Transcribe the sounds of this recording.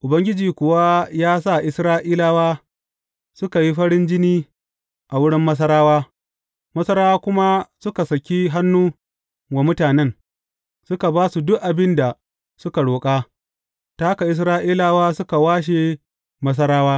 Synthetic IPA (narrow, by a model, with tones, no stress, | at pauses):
ʔʊ˨bɐ˦ŋɡʲɪ˦d͡ʒiː˨kʷʊ˨wa˦jaː˦sa˦˨ʔɪ˦sɾaː˦ʔiː˦laː˦waː˦ | sʊ˦ka˨ji˦ɸɐ˦ɽɪ˦nd͡ʒɪ˦niː˦ | ʔa˨wʊ˦ɽɪ˦mːɐ˦s̬ɐ˦ɾaː˦waː˦ | mɐ˦sɐ˦ɾaː˦waː˦kʷʊ˦ma˦sʊ˦ka˨sɐ˨kʲi˦ɦa˦nːuː˦ | ɡa˨mʊ˦taː˨nɛ˦ŋ | sʊ˦ka˨baː˦su˨dʊ˦ʔʔa˨bɪ˦nda˨ | sʊ˦ka˨ɽoː˨kʼa˦ | ta˦ka˨ʔɪ˦s̬ɾaː˦ʔiː˦laː˦waː˦sʊ˦ka˨waː˦ʃ̬e˨ | mɐ˦s̬ɐ˦ɾaː˦waː˦